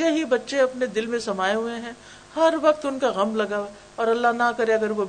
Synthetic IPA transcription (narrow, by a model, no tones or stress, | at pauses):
eɦibɐtːʃeɐpned̪ɪlmẽsɐmaːeɦueɦɛ̃ | hɐɾʋɐqt̪ʊnkaɣɐmlɐɡa | ɔːɾɐlːaɦnakɐɾeɐɡəɾʋo